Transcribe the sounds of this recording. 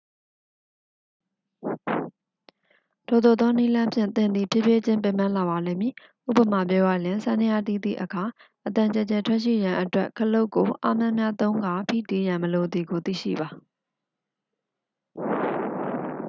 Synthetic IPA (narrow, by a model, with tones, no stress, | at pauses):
tʰo˨d̪o˨d̪ɔ˦ni˦lã˦mpʰjɪ̰̃˦˨nt̪ɪ̃˦˨nd̪ðḭ˦˨pʰjɪ˦˨pje˦t͡ɕɪ̃˦mpe˦˨mã˦la˨ba˨lẽ˦˨mji˨ | ʔṵ˦˨pə˨ma˨p̬jɔ˦ɡa̰˦˨lɪ̃˨nsã˦nɪ˦ja̰˦˨tḭ˦˨d̪ḭ˦˨ʔəkʰa˨ | ʔət̪ã˨ɲt͡ɕɛ˨t͡ɕɛ˨tʰwɛ˦ʔʃḭ˦˨jã˨ʔətwɛ˦ʔkʰəlo˦ʊkːo˨ʔa̰˦mjã˦˨mja˦t̪õ˦ʊ̃ŋɡa˨pʰḭ˦˨ti˦jã˨məlo˨d̪ði˨ɡo˨t̪ḭ˦˨ʃḭ˦˨ba˨